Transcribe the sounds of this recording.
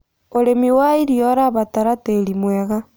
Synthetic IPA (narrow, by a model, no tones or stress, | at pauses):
oɾemiwaiɾiɔɾaβataɾateɾimwɛɣa